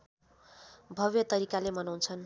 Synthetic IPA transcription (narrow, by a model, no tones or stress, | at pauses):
bʱʌʋjʌt̪ʌɾikalemʌnawnt͡sʰʌn